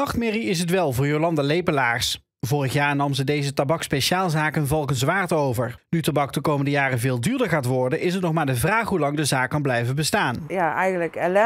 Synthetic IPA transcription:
ɑχtmɪriɪs̬ɦətʋɛlˠvʊːɹjolɑndalejpəlaːɹs | vʊːrəχjaːɹnɑmzədejzətabɑkspejʃaːlˠzaːkənvɑlˠkənzʋaːɹtowvəɹnytabɑk̚dəkowməndəjaːrəvɪːlˠdyːɹdəɹχaːtʋɔɹdənʔɪs̬ɦətnɔχmaːɹdəvraːχɦulɑŋdəzaːkːɑnblɛjvəbəstaːnjaɛjχnləkɛlɛ

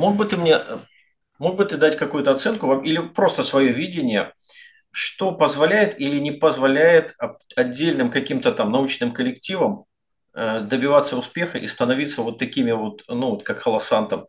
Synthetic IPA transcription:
mo̞ɡ̚bɨt̪ɨmnʲe | mo̞ɡ̚bɨt̪ɨd̪atʲkɐkujʊt̪əɐt̪sɛnkʊvamʔilʲɪpɾo̞st̪əsvɐjo̞vʲidʲɪnʲɪjə | ʂt̪o̞pəzvɐlʲæjɪt̪ilʲɪnʲɪpəzvɐlʲæjɪt̪ɐɐdʲːelʲnɨmkɐkʲimt̪ət̪amnɐut͡ɕnɨmkəlʲɪktʲivəm | əd̪əbʲɪvat̪səʊspʲe̞xəʔḭst̪ənɐvʲit̪səvo̞t̪ːɐkʲimʲɪvo̞t̪nuvot̪kakxəlˠɐsant̪əm

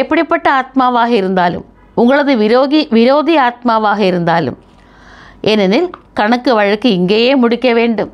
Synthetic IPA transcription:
epːɐɽipːeʈːɐaːt̪̚maːʋaːɦɐiɾund̪aːlṵm | uŋɡɐɭɐðɨʋoːɡiʋiɾo̞ːd̪ʱiaːt̪̚maːʋaːɦɐjiɾund̪aːlṵm | enɐnilkɐɳɐkːɨʋɐɻɐkːɨiŋɡɐjemuɽikʲːɐʋe̞ːɳɖum

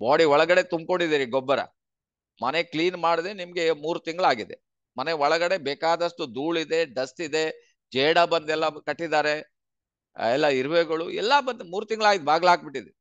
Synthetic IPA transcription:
baːɽiɔɭɐɡɐɽe̞t̪umb̚ko̞ɳɖid̪iːɾiɡɔbːɐɾɐ̰ | mɐnekliːnmaːɽid̪enimɐɡe̞muːɾut̪iŋɡɐɭaːɡid̪e̞̰ | mɐneɔɭɐɡɐɽe̞beːkaːd̪ɐʂʈud̪uːɭid̪e̞ɖɐstid̪e̞ | d͡ʒeːɽabɐnd̪ɛlːɐkɐʈːid̪aːɾe̞ | ɛlːɐiɾʋeːɡɐɭuɛ̰lːabɐnd̪muːɾut̪iŋɡɐɭaːɡid̪ebaːɡlɐaːk̚biʈːid̪e

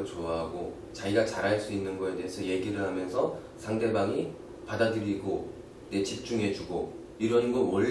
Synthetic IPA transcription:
t͡ɕoaɦaɡo | t͡ɕaiɡat͡ɕaɾɦaɭs͈uinːɯnɡʌe̞de̞ɦesʰʌje̞ɡiɾɯɭɦamjʌnsʰʌ | sʰaŋde̞baŋi | padadɯɾiɡo | ne̞t͡ɕip̚t͡ɕ͈uŋɦe̞d͡ʑuɡo | iɾʌnɡʌnwʌ

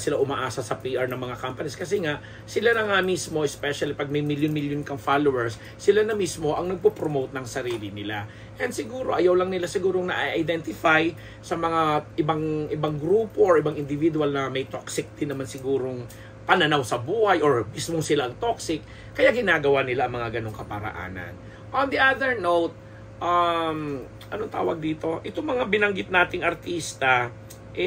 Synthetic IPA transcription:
sɪlaʔʊmaʔaːsɐsɐpiʔaɹnɐŋmɐŋakampɐniskɐsɛŋaʔ | sɪlanɐŋamismo̞ʔɛspɛʃɐlipɐɡ̚mɐjmiljʊnmiljonkɐŋfalowɛɹsː | ɪlanɐmismo̞ʔɐŋnɐɡ̚popɾomowt̪̚nɐŋsɐɾiːlɪnɪla | ʔɛnd̪sɪɡuːɾo̞ʔɐjawlɐŋnɪlasɪɡuːɾoŋnɐʔaʔajd̪ɛnt̪ɪfaj | sɐmɐŋaʔɪbaŋʔɪbaŋɡɾuːpo̞ʔoɹʔɪbaŋɪnd̪ɪvid̪ʊɐlnɐmɐjt̪oksɪk̚d̪ɪnːɐmansɪɡuːɾo̞ŋ | pɐnɐnawsɐbuːhɐjʔoɹmismoŋsɪlaʔɐŋt̪o̞ksɪk | kːɐjaɡɪnaːɡɐwanɪlaʔɐŋmɐŋaɡɐno̞ŋkɐpɐɾa̰ʔa̰ːnɐ̰n | ʔond̪iʔad̪ɛɹnowt̪̚ | ʔam | ʔɐnoŋt̪a̰ːwɐɡ̚d̪iːt̪o̞ʔɪt̪oŋmɐŋabɪnɐŋɡɪt̪̚naːt̪ɪŋʔɐɾt̪iːst̪ɐ | ʔɛ

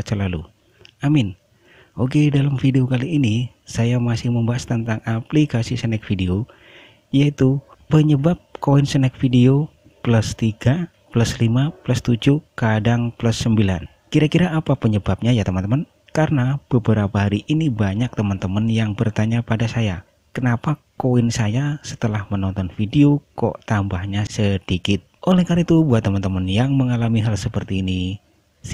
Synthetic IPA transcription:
t͡ʃəlalu | amɪn | ʔokedalamfideokaliːni | sajamasɪhməmbaast̪ənt̪aŋaplikasisənɛk̚fideo | ijait̪u | pəɲəbap̚koɛnsənɛk̚fideo | plast̪iɡa | plaslimaplast̪ud͡ʒukadaŋplasːəmbila̰n | kiɾakiɾaːpapəɲəbap̚ɲajat̪əmənt̪əmən | kaɾənab̥əbəɾapaɦaɾiʔinibaɲak̚t̪əmənt̪əmənjaŋbərt̪aɲapadasaja | kənapakoɪnsajasə̥t̪əlahmənɔnt̪ɔnfideokɔ̰ʔt̪ambahɲasəd̥ikɪt̪̚ʔolɛhkaɾit̪ubuat̪ːəmənt̪əmənjaŋməŋalamiɦalsəpərt̪iːni

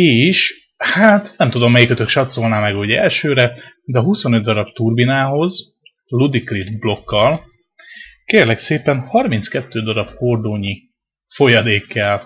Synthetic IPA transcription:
eːʃ | haːt̪nɛmt̪ud̪o̞mːɛjikøt̪økʃɒt̪so̞lnaːmɛɡɒɦoɟɛlʃøːɾɛd̪ɛɒɦuso̞nød̪d̪ɒɾɒbt̪urbinaːɦo̞z | lud̪ikrid̪blo̞kːɒl | keːrlɛkseːpɛnhɒrminskɛt̪ːøːd̪ɒɾɒpho̞rd̪oːɲi | fo̞jɒd̪eːkːɛl

